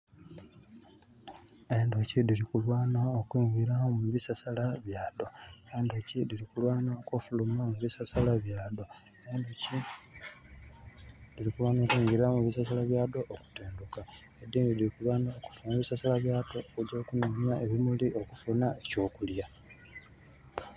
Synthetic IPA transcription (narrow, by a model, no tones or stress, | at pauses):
e̞ndocidilikulwaːnookwiːɲɡiɾamuβisasalaβjaːdo̞endo̞cidilikulwaːnoːkofulumamuβisasalaβjaːdo̞ | e̞ndoci | dilikulwaːno̞ːkwiːŋɡiɾamuβisasalaβjaːdo̞ʔːku̥teːnduka | ed̪iːndidilikulwaːnoːku̥fumaβisasalaβjaːdoːkuɟoːkunomjaʔeβimuliʔo̞kufunaeco̞ːkulja